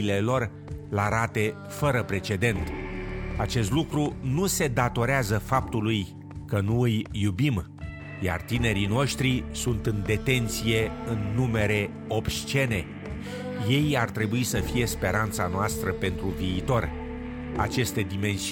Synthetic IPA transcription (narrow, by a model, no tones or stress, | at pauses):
le̞lo̞r | laɾat̪e̞ | fəɾəpɾe̞t͡ʃe̞d̪e̞nt̪ | at͡ʃe̞st̪lukɾunuse̞d̪at̪o̞ɾeazəfap̚t̪uluj | kənuɨjːubim | ja̰rt̪ine̞ɾino̞ʃt̪ɾisunt̪ɨnd̪e̞t̪e̞nt̪sije̞ɨnːume̞ɾe̞ | o̞pʃt͡ʃe̞ne̞ | je̞jart̪ɾe̞buisəfije̞spe̞ɾant̪sanoast̪ɾəpe̞nt̪ɾuviːt̪o̞r | a̰t͡ʃe̞st̪e̞d̪ime̞ns